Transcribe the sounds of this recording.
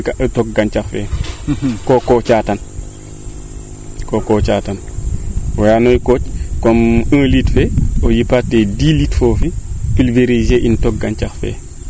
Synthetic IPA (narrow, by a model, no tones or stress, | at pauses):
kaʔətɔk̚ɡant͡ʃaxfɛ̰ | kɔkɔt͡ʃatan | kokɔt͡ʃaːtan | wajanojkoːt͡ʃkɔmə̃ːlitfɛojipatːedilitfofiʔilveɾizeʔintɔk̚ɡant͡ʃaxfɛ̰